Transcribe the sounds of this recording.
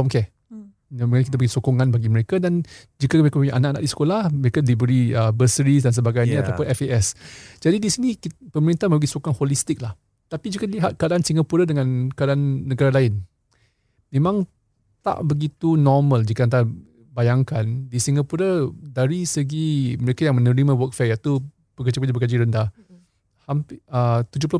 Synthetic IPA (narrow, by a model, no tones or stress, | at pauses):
ɔmkɛ | məŋakit̪abəɡisokoŋãnbaɡiməɾekadan | d͡ʒikaməɾekapuɲaʔanaʔanaʔ̚disə̥kolahməɾekadibəɾiəbəsəɾisdans̬əbaɡajɲaat̪apʊnɛfeʔɛsd͡ʒadidisinikpəməɾint̪ahmə̃mbəɡisokoŋanholist̪ɪk̚lah | t̪apid͡ʒikaliɦat̪̚kəadaansiŋɡapuɾədəŋãnkəadaanːəɡaɾalaɪn | mẽmãŋ | t̪a̰ʔbəɡit̪unɔmə̃ld͡ʒikant̪a | bajaŋkandisiŋɡapuɾədaɾisəɡiməɾekajaŋmə̃nəɾimãwək̚fajat̪u | pəkəd͡ʒakəd͡ʒabəkəd͡ʒiɾəndah | hamət̪ud͡ʒʊplʊ